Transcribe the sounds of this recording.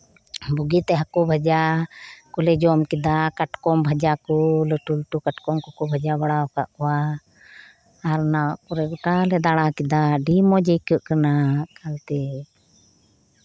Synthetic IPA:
buɡit̪ɛɦakubʱad͡ʒakulɛd͡ʒɔmkid̪akaʈkɔmbʱad͡ʒakuləʈulʈukaʈkɔmkɔkɔbʱad͡ʒabaɽaɔkaʔkɔwa | ɾnawaʔkɔɾɛɡɔʈalɛd̪aɽ̃akid̪aɖimɔd͡ʒəjkəʔkanakʰalt̪ɛ

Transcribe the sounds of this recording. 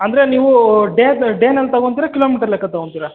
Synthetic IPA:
ɐnd̪ɐɾe̞niːʋuɖeːɖeːnelːt̪ɐɡont̪iːɾɐkiloːmiːʈɐɾlekːɐt̪ɐɡoɳt̪iːɾa

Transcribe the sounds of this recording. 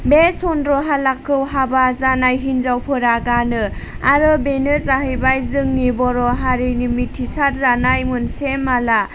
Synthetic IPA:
besɔndɾɔɦalakʰːɯwɦabazanajɦinzawpʰɯɾaɡanɯaɾɯbenɯzaɦɯjbajzɯŋnibɔɾɔɦaɾinimitʰːisaɾzanajmɯnsemala

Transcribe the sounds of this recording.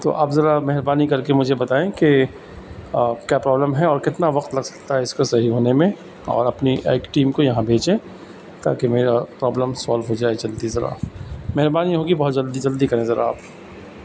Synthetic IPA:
t̪o̰ːʔaːpzɐɾamɛɦɾbaːnikɐɾkemʊd͡ʒʱebɐt̪aːẽke | kjaːpɾɔːbləmɦɛɔːɾkɪt̪naʋɐqt̪lɐɡsɐ̥k̚t̪aɦɛɪskosɐɦiɦoːnemẽ | ɔ̰ːɾɐpniʔḛːkʈiːmkojɐɦãbʱeːt͡ʃẽ | t̪a̰ːkemeːɾapɾɔːbləmsaːlʋɦod͡ʒaːed͡ʒɐlt̪izɐɾa̰mɛɦɾbaːniɦoːɡibɐɦʊt̪̚d͡ʒɐld̪id͡ʒɐld̪ikɐɾẽzɐɾa̰a̰ːp

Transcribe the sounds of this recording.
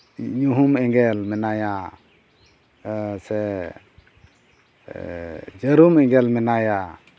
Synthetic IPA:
ɲuɦumɛŋɡɛlmɛnaja | sɛ | d͡ʒəɾumɛŋɡɛlmɛnaja

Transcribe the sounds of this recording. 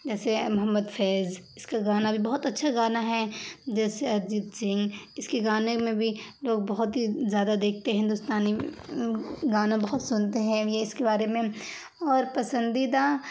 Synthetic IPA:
d͡ʒɛːsemʊɦəmːəd̪fɛːzɪskaɡaːnabʱibɐɦʊt̪ɐtːʃʰaɡaːnaɦɛd͡ʒɛːseɐɾd͡ʒit̪d͡ʒɪ̃ŋɡɪskeɡaːnemẽbʱiloːɡ̚bɐɦʊt̪ɦizjaːd̪ad̪eːk̚ʰt̪eɦɪ̃nd̪ʊst̪aːni | ɡaːnãbɐɦʊt̪sʊnt̪eɦɛ̃jeɪskebaːɾemẽ | ɔːɾpɐsə̃nd̪id̪a

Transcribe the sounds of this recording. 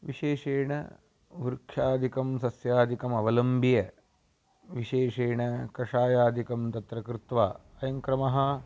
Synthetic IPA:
ʋiʃeːʂeːɳɐ̰ | ʋuɾkʃaːd̪ʱikɐmsɐsjaːd̪ʱikɐmɐʋɐlɐmbijɐ | ʋiʃeːʂeːɳɐkɐʂaːjaːd̪ʱikɐmt̪ɐt̪ɾɐkɾɪt̪ʋaː | ɐjɐŋkɾɐmɐɦɐ̆

